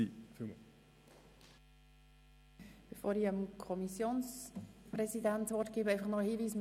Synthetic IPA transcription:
ifymə | b̥efoːɾiəmkʰɔmisjoːnspɾɛsidæntʋɔrtɡ̥iːbəɛjfɑχnɔəhiːviːsm

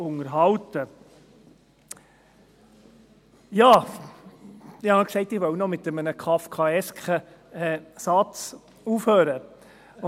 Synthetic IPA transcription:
ʊŋəɾɦɑltə | jɑː | ɪhɑɑksɛɪtɪʋœwnɔmɪt̪əmənəkʰɑːfkʰɑːɛskʰə | ɛsɑt͡s | uːfhøːɾə

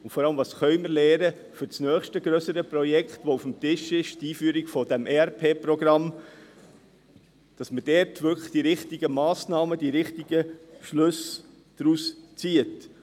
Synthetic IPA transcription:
ʊntfɔɾɑləmvɑːsχœʏməɾlɛːɾə | fʏɾt͡snœːχʃtəɡɾœsəɾəpɾɔjɛkχtʋoufmtɪʃɪʃtiːfyəɾiɡ̥fɔdɛmʔeɛɾpʰeːprɔɡɾɑm | d̥ɑsməd̥ɛːɾtʋʏkə̥χd̥iɾɪχtiɡəmɑːsnɑːməd̥iɾɪχtiɡəʃlɵs | d̥ɾust͡siət

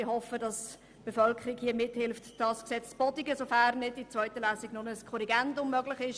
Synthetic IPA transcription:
ɪhɔfədɑs | b̥efœlkʰəɾiɡhiəmɪthɪlftd̥ɑːsksɛt͡sb̥ɔdiɡəsofæːrnɪdit͡svœʏtəlæːsiɡnʊnəəskʰɔɾiɡɛndʊmːœɡlɪχɪʃ

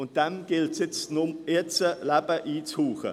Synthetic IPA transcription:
ʊnt̚d̥ɛmɡ̥ɪltsjɪt͡stnʊmɪt͡səlæbəʔiːt͡shuːχə̰

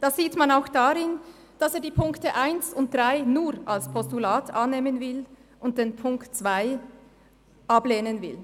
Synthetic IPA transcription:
d̥aːz̥iːtmanaʊxd̥aʁɪn | d̥aseːɐdiːpʰʊŋktəʔaɪnsʊnt̚d̥ʁaɪnuːɾalspʰɔstulaːtʰʔanːeːmənvɪl | ʔʊnt̚d̥eːnpʰʊŋktt͡sv̥aɪ | ʔableːnənvɪl

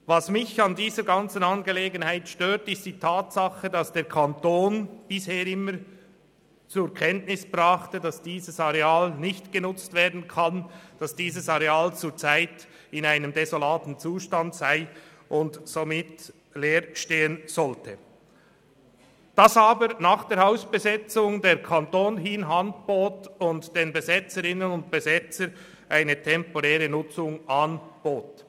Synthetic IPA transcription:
vɑsmɪçɑndiːzəɾɡɑnt͡sən̩ɑnɡeleːɡənhaɪtʃtøːtɪst̚d̥iːtʰaːtsɑχədɑsd̥eːɾkʰɑntoːnb̥ɪsheːɾɪmːəɾ | t͡sʊkʰɛntnɪsb̥ʁɑχtədɑsd̥iːzəsɑʁeaːlnɪçtɡ̥ənʊt͡stv̥eːɐdn̩kʰɑnd̥ɑsd̥iːzəsɑɾeaːlt͡suːt͡saɪt | ɪnaɪnəmdɛzolaːtn̩t͡suːʃtɑndsaɪ | ʔʊntz̥omɪt | leːɾʃteːənz̥ɔltʰə | d̥ɑsɑːbəɾnaːχd̥eːɾhaʊsb̥əzɛt͡sʊŋdeːɾkʰantoːnɦinɦantb̥oːtʊntd̥eːnbəzɛt͡səɾɪnənʊnt̚b̥əzɛt͡səɾ | ʔaɪnətʰɛmpoʁɛːʁənʊt͡sʊŋʔɑnb̥oːt

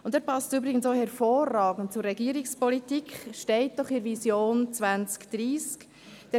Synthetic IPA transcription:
ʊntɛːɾpɑstybɾɪɡən̩soːhɛɾfoːrːɑːɡən̩t̚t͡sʊɾːɛɡiəɾɪkspɔlitikχʃtɛɪt̚d̥ɔχɪɾvisjoːnt͡sʋænt͡skd̥ɾiːsk | d̥ɛ

